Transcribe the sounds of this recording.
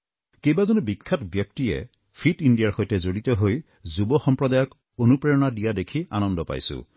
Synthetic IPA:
kejbazɔnubikʰːatbjɔk̚tiḛ | pʰitindijaɹxojtezoɽit̪ɔɦoj | zubɔxɔmpɹɔdajɔk | onupɹejɔnadijadekʰia̰nɔndɔpa̰jsṵ̃

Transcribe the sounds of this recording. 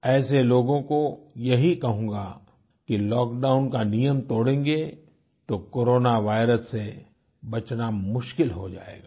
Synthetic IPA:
ɛːseloːɡõkojɐɦikɐɦũːŋɡa | kilɔːkɖaːʊnkanijəmt̪oːɽẽːŋɡe | t̪okoːɾoːnaʋaːɪɾəsːe | bɐt͡ʃnamʊʃkɪlɦod͡ʒa̰ːḛːɡaː

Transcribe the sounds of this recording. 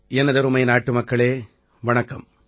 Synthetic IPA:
ɛnːɐðɐɾɯmɐɪjnaːʈːɯmɐkːɐɭeː | ʋɐɳɐkːɐm

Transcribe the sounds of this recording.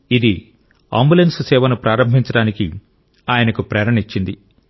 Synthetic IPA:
id̪i | a̰ːmbulenssɛːʋɐnupɾaːɾɐmbʱiɲt͡ʃɐɽaːniki | aːjɐnɐkupɾɛːɾɐɳit͡ʃːind̪i

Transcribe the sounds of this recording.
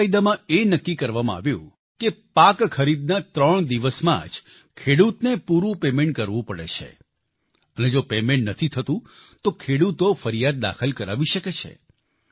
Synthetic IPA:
ajd̪amãenəkːikəɾʋamãa̰ʋjṵ̃ | kepakkʰəɾid̪̚nat̪ɾəɳ̃d̪iʋəsmã̰d͡ʒ | kʰeɽut̪nepuɾũpemeɳʈ̚kəɾʋũpəɽḛt͡ʃʰḛ | əned͡ʒopemẽɳʈnət̪ʰit̪ʰət̪ũt̪okʰeɽut̪ofəɾijad̪̚d̪a̰kʰəlkəɾa̰ʋiʃəket͡ʃʰḛ

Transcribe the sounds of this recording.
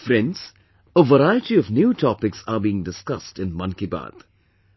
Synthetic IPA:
fɾɛ̃nɖz̥ | əʋəɾaɪəʈiɔʋnjuːtʰɔpɪksabiːɪ̃ŋdɪskʌstɪ̃nmʌ̃nkiba̰ːd̪̥

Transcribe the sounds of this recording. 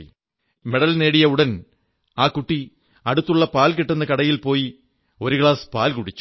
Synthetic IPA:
me̞ɽɐlne̞ːɽijɐuɽɐn | aːkuʈːi | ɐɽut̪ːuɭːɐpaːlkiʈːunːɐkɐɽɐjilpo̞ːji | o̞ɾukɭaːspaːlkuɽit͡ɕːu̥

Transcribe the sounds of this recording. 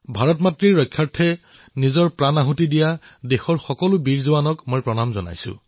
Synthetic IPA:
bʱaɹɔtmatɹiɹːɔjkʰːjaɹtʰːɛ | nizɔɹpɹanaɦutidijadexɔɹxɔkɔlʊbiɹzuwanɔkmojpɹɔnamzɔna̰jsʊ̰

